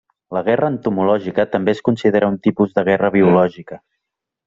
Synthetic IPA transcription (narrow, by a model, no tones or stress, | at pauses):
ləɣ̞ɛrəːnt̪umulɔʒikət̪əmbeskunsiðeɾəunt̪ipuzðəɣ̞ɛrəβiulɔʒikə